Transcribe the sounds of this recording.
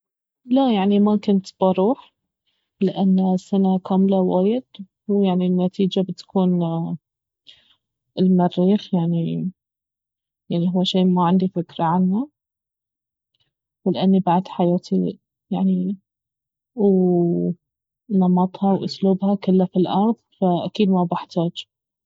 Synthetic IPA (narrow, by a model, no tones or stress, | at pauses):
lajaʕnimakʊnt̪b̥ɑɾˤuːħ | lɪʔanːsanakaːmlawaːjɪd̪̥ | huwjaʕninːat̪ʰiːd͡ʒabɪt̪kʰuːn | ɪlmarːiːxjaʕni | jaʕnihʊwːʃeːʔmaʕɪnd̪ifɪkɾaʕanha | wlʔanːibaʕd̪ħajaːt̪ʰi | jaʕni | w | nɑmɑt̪ˤhɑwʔʊsluːbhakʊlːafilʔɑɾˤðˤfaʔakiːd̪mabaħt̪ʰaːd͡ʒ